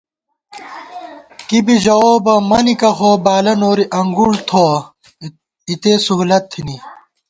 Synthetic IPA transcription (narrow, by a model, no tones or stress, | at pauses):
kibid͡ʑɐoːbɐmɐnikɐxoːbaːlɐnoːɾiʔɐŋɡult̪ʰo | it̪eːsuɦulɐt̪ʰːini